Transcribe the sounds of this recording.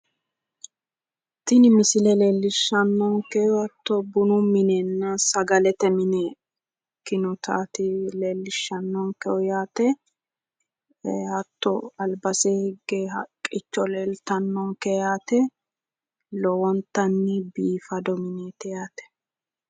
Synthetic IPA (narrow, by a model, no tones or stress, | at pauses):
t̪ːɪnɪmɪsɪlɛleːlːɪʃːɐnːɔŋkɛɔɐt̪ːɔbʊnʊmɪneːnːɐsɐɡɐlɛt̪ɛmɪneː | kːɪnʊt̪ʰa̰ːt̪ɪleːlːɪʃːɐnːɔŋkɛɔjaːt̪ɛ | hɐt̪ːɔɐlbɐsehɡehɐkʼɪt͡ʃːɔleːlt̪ɐnːɔŋkɛjaːt̪ɛ | lɔwɔnt̪ːɐnːɪbiːfɐd̪ɔmɪneːt̪ɛjaːt̪ɛ̥